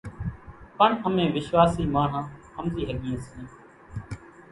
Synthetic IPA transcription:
pəɳəmẽːʋɪʃʋaːsiːmaːɳ̤ãː | əmziːɦəɠẽːsẽː

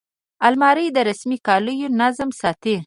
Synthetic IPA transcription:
almɑɾəjd̪əɾasmikɑləjonazmsɑt̪e

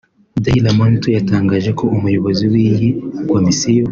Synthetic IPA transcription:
dailamantɔjataŋɡazɛkɔʔumujuβaziwiŋɡikwamisijɔ

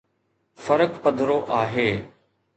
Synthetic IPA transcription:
fəɾəkpəd̪ʱɾoːʔaːɦeː

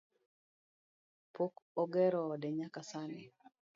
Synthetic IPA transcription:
pokɔɡɛɾɔːdɛɲakasani

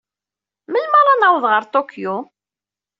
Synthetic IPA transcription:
məlmɑɾˤɑnawðˤʁəɾt̪ˤokju

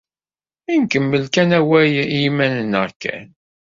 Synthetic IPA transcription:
inkəmːəlkænæwæjimænənəʁkæ̰n

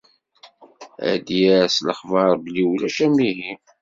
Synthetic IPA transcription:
æ̰d̪jæɾsləχvɑɾˤbəlːiwlæʃæmiɦi

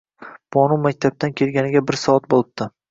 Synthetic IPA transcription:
b̥ɒnumak̚ʲt̪ʰab̚t̪ʰankʲʰe̞lɡʲanɪɡʲabɪɾsɒat̪̚bolˠɪb̚t̪ʰɪ

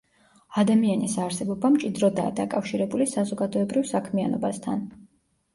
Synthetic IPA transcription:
ad̪amianisaɾsɛbɔbamt͡ʃʼid̪ɾɔd̪a̰ːd̪akʼafʃiɾɛbulisazɔɡad̪ɔɛbɾivsakʰmianɔbast̪ʰa̰n

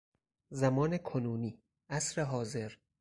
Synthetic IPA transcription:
zæmɒːnekʰonuːniː | ʔæsɾeɦɒːze̞ɾ

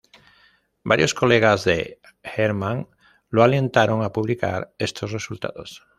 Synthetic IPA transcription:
ba̰ɾjo̞sko̞leɣ̞azðe | xeɾmãŋ | loaljẽ̞nt̪aɾo̞ŋapuβ̞lika̰ɾest̪o̞sre̞sult̪a̰ðo̞s

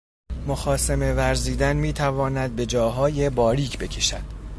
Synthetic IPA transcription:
moxɒːseme̞væɾziːd̪ænmiːt̪ʰævɒːnæd̪̚be̞d͡ʒɒːɦɒːje̞bɒːɾiːcʰbe̞cʰe̞ʃæ̰d̪̥

